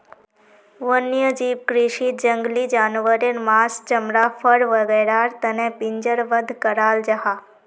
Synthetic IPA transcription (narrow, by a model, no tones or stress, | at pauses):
ʋənjəd͡ʑiːpkɾiʂid͡ʒəŋɡlid͡ʒaːnʋəɾiɾmasd͡ʒəmɾafʰəɽʋəɡəɽaɾt̪ənẽpiɲd͡ʒəɾʋəd̪ʱkəɾaːld͡ʒaɦa